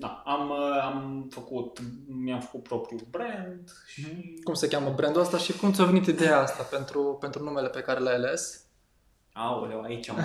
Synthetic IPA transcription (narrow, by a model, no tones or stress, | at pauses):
d̪aamamfəkut̪mjamfə̥kut̪̚pɾopɾiulbɾend̪ | ʃikumse̞kʲaməbɾend̪uast̪aʃikumt̪sʲave̞nit̪id̪e̞jaast̪ape̞nt̪ɾupe̞nt̪ɾunume̞le̞pe̞kaɾe̞lajale̞s | awleait͡ʃa